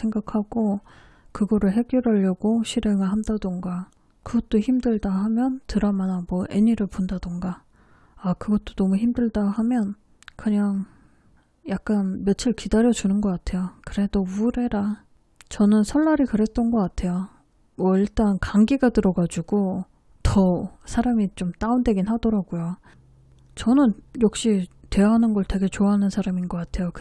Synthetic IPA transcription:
sʰeŋɡakʰaɡ̥o | kɯɡʌɾɯɭɦe̞ɡjoɾʌʎːʌɡoɕʰiɾe̞ŋɯɭhamdadɯŋɡa | kɯɡʌt̚t͈oçimdɯɭdahamjʌntɯɾʌmanamwʌʔeɲiɾɯɭpondadɯŋɡa | akɯɡʌt͈̚onʌmuçimdɯɭdahamjʌn | kɯɲaŋ | jak̚k͈anmjʌt͡ɕʰɯɭkidaɾjʌd͡ʑunɯnɡʌk͈atʰe̞jokɯɾe̞douɾe̞ɾa | t͡ɕʌnɯnsʰʌɭːaɾikɯɾe̞t͈ʌnɡʌk͈atʰe̞jo | mwʌiɭt͈ankaŋɡiɡatɯɾʌɡad͡ʑuɡo | tʌsʰaɾamit͡ɕomt͈aunde̞ɡinhadʌɾaɡ̥ujo | t͡ɕʌnɯnjʌk̚ɕ͈itwe̞jaɦanɯnɡʌɭtwe̞ɡe̞t͡ɕoaɦanɯnsʰaɾaminɡʌk͈atʰe̞jok

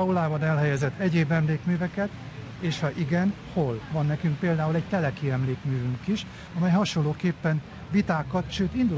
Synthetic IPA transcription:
ɒulaːbɒnɛlɦɛjɛzɛt̪ʰːɛɟeːbɛmleːkmyːvɛkɛt̪ | eːʃhɒʔiɡɛn | ho̞lvɒnːɛkyŋk̚peːld̪aːulɛɟ̚t̪ɛlɛkiɛmleːkmyːvyŋkiʃ | ɒmɛjhɒʃo̞lːoːkeːpːɛn | ʋit̪aːkɒt̪ʃøːt̪ind̪ul

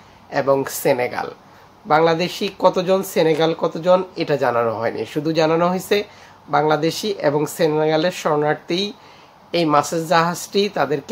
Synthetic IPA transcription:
eboŋseneɡa̰l | baŋlad̪eʃikɔt̪od͡ʑonseneɡalkɔt̪od͡ʑoneʈad͡ʑananoɦɔenḭʃud̪ʱud͡ʑananoɦojt͡ɕʰe | baŋlad̪eʃiʔeboŋseneɡaleɾʃɔɾonaɾt̪ij | ejmasad͡ʑd͡ʑaɦad͡ʑʈit̪ad̪eɾk

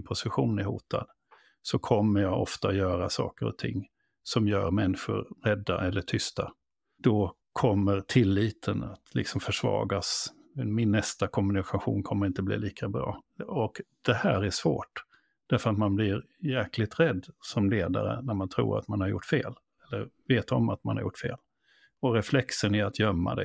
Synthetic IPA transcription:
pʰʊsɪɧuːnæhuːt̪ʰa̰d̪ | sɔkʰɔmːəɾjɑɡɔft̪ajœːɾasɑ̰ːkəɾɔ̰t̪ʰɪ̰ŋː | sɔmjœːɾmɛnːɪɧʊ̰ɾɾɛd̪ːaʔɛlːəʈʰʏst̪a | d̪̥ɔ | kʰɔmːəɾt̪ʰɪlːiːt̪ʰəna̰t̪lɪ̰ksɔmfœʂvɑ̰ːɡas | mɪnːɛst̪akʰɔmːɵnɪkʰaɧṵːnkʰɔmːəɾɪnt̪əblḭːliːkʰabɾɑ̰ːɔkd̪̥ɛhæːɾæʂvoːʈ | d̪̥æɾfœɾat̪manblɪɾ | jæklɪɡ̚t̪ɾɛd̪ːsɔmleːd̪a̰ɾə̰næɾmant̪ʰɾṵːɾa̰t̪manhaɾjʊ̰ʈːfeːl | ɛlːəɾveːt̪ɔmat̪ma̰nhaɾjʊ̰ʈːfḛːl | ɔɾɛflɛksənæɾat̪jœmːa̰d̪ɛ̰

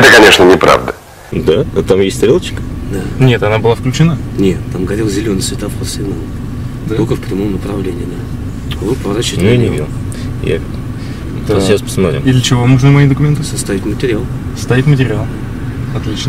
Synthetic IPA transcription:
ɛt̪əkɐnʲeʂnənʲɪpɾa̰vd̪ə | d̪at̪amjesʲtʲst̪ɾʲelˠət͡ɕɪ̥kə̥d̪anʲe̞t̪ɐnabɨlˠafklʲʉt͡ɕɪna | nʲet̪ːamɡɐɾʲelˠzʲɪlʲonəjsvʲɪt̪afposʲenɐm | d̪t̪okəfpɾʲɪmomnəpɾɐvlʲenʲɪjɪd̪a | vopɾəvɐɾat͡ɕɪɪtnʲunʲɪvḭd̪ | ja̰k | d̪ʃaspə̥smɐt̪ɾʲɪ̰mid̪lʲət͡ɕɪvo̞moʐnəmɐid̪əkʊmʲe̞nt̪ɨsɐst̪avʲɪtʲmətʲɪɾʲɪalˠsə̥st̪avʲit̪ʲmətʲɪɾʲɪalˠ | ɐt̪lʲit͡ɕnə

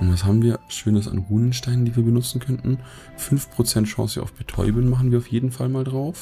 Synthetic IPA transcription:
ʔʊntv̥ashaːbm̩viːɐʃøːnəsa̰nʁuːnənʃtaɪnəndiːviːɐbənʊt͡sn̩kʰœntn̩ | fʏnfpʁ̥ot͡sɛntʃɑ̰̃ːsəʔa̰ʊfb̥ətʰɔ̰ʏbənmaχn̩viːɐaʊfjeːdn̩falmaːldʁaʊf

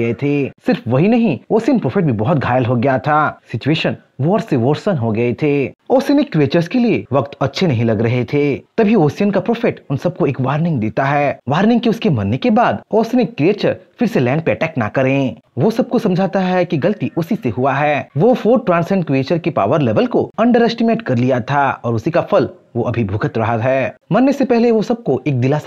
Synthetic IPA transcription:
ɐet̪ʰeːsɪɾfʋɐɦinɐɦĩoːsijənpɾoːfʰɪʈ̚bʱibɔɦʊt̪̚ɡʱaːjəlɦoɡɐjat̪ʰaːsɪt͡ʃueːʃən | ʋoɔːɾseʋoːɾsənɦoɡɐet̪ʰeːoːsiənekɾieːt͡ʃəɾskelieʋɐkt̪ɐtːʃʰenɐɦĩlɐɡɾɐɦet̪ʰeːt̪ɐbʱioːsijənkapɾoːfʰɪʈʊnsɐb̚koeːkʋaːɾnɪ̃ŋɡd̪eːt̪aɦɛːʋaːɾnɪ̃ŋɡ̚keʊskemɐnːekebaːd̪oːsijənekːɾieːt͡ʃə̰ɾfɪɾselɛ̃ːɳɖ̚peɐʈɛːkna̰kɐɾẽʋosɐb̚kosɐ̃md͡ʒʱaːt̪aɦɛkiɡɐlət̪iʊsiseɦuaɦɛːʋofoːɾʈɾãːnsɛ̃ɳɖkɾieːt͡ʃəɾkepa̰ːʋəɾleːʋəlkoɐ̃ɳɖəɾɛsʈɪmeːʈkɐɾlijat̪ʰaɔːɾʊsikafʰɐl | ʋoʔɐbʱibʱʊɡət̪ɾɐɦaɦɛːmɐnːesepɛɦleʋosɐb̚koʔeːk̚d̪ɪlas

